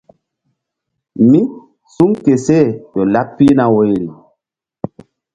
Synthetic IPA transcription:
mi˦ | su˦ŋke˨se˦˨jɔ˨la˦pːi˦na˨wo˨˦jli˨

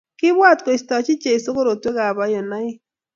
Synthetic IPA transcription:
kɪ˦bwa˦˨tko˨i˨stɔ˨t͡ʃi˦t͡ʃe˨i˨so˦ko˦ɾo˨twe˦ka˨βa˨˦jɔ˨na˦ɪ˦

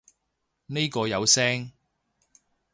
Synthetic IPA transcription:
ne˥jkɔː˧jɐ˨˧wsɛː˥ŋ

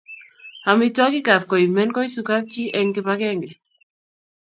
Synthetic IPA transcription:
a˨mi˦twɔ˦ki˦ka˨p̚kɔ˨i˨mɛ˦nkɔ˦i˦su˨ka˦p̚ti˦ʔɛ˨ŋki˧pa˦kɛ˦˨ŋɡɛ˨

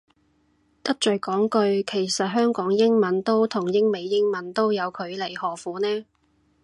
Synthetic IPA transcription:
t̪ɐ˥t̚t͡ʃɵ˨˩kɔː˨˥ŋkɵ˧ɥkʰe˨˩jsɐ˨t̚ɦœː˥ŋkɔː˨˥ŋjɪ˥ŋmɐ˨˧nt̪o˥wt̪ʰʊ˨˩ŋjɪ˥ŋme˨˧jːɪ˥ŋmɐ˨˥nt̪o˥wjɐ˨˧wkʰɵ˨˧ɥle˨˩jhɔː˨˩fuː˨˥nɛː˥

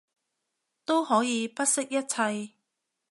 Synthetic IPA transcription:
t̪o˥whɔː˨˥jiː˨˧pɐ˥t̚sɪ˥k̚jɐ˥t̚t͡sʰɐ˧j

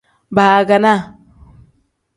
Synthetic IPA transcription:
ba˨a˨ɡa˨na˦

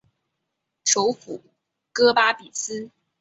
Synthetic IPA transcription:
ʈ͡ʂo˧˥ʊfu˨˩˦ | kɤ˥pa˥pi˨˩sɹ̩˥

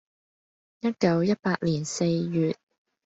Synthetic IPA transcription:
jɐ˥t̚kɐ˨˧wjɐ˥t̚paː˧k̚liː˨˩nse˧jjyː˨t̚

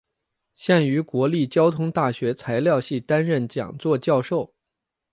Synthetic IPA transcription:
ɕja˥˩ny˧˥kwɔ˧˥li˥˩t͡ɕjɑ˥ʊt̪ʰʊ˥ŋt̪a˥˩ɕɥɛ˧˥t͡sʰa˧˥ɪljɑ˥˧ʊɕi˥˩t̪a˥nɻə˥˩nt͡ɕjɑ̰˨˩ŋt͡swɔ˥˧t͡ɕjɑ˥˧ʊʂo˥˩ʊ

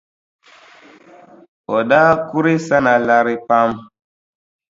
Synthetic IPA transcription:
ɔ˨da˦ku˦ɾe˦sa˦na˨la˦ɾi˦pa˦m

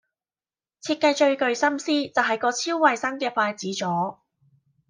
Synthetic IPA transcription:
t͡sʰiː˧t̚kɐ˧jt͡ʃɵ˧ɥkɵ˨˧ɥsɐ˥msiː˥t͡sɐ˨wɦɐ˨˩jkɔː˧t͡sʰiː˥wwɐ˨jsɐ˥ŋkɛː˧faː˧jt͡siː˨˥t͡sɔː˨˥

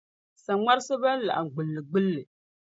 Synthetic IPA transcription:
sa˨ŋa˦ɾsɨ˦ba˦n˦la̰˨ʔa˨ɡ͡bɨ˨lːɨ˨ɡ͡bɨ˦lːɨ˨

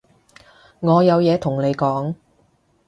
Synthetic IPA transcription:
ŋɔː˨˧jɐ˨˧wjɛː˨˧t̪ʰʊ˨˩ŋne˨˧jkɔː˨˥ŋ

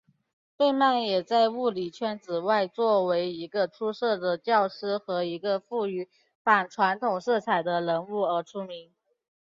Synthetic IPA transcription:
pe˥˧ɪma˥˩njɛ˨˩t͡sa˥˧ɪu˥˩li˨˩t͡ɕʰɥɛ˧˥nt͡sɹ̩˨˩wa˥˧ɪt͡swɔ˥˩we˧˥ɪi˧˥ɡə˧ʈ͡ʂʰu˥ʂɤ˥˩d̪ə˩t͡ɕjɑ˥˩ʊʂɻ̩˥˩xɤ˧˥i˧˥ɡə˧fu˥˩y˧˥ | fa˨˩nʈ͡ʂʰwa˧˥nt̪ʰʊ˨˩ŋʂɤ˥˩t͡sʰa˨˩ɪd̪ə˦lə˧˥nu˥˩ə˞˧˥ʈ͡ʂʰu˥mi˧˥ŋ

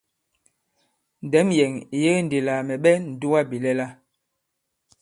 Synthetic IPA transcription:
n̩˨dɛ˨˦mjɛ˨ŋi˨je˦n̩˨de˨la˨mɛ˨ɓɛ˦n̩˨du˦wa˦bi˨lɛ˦la˦

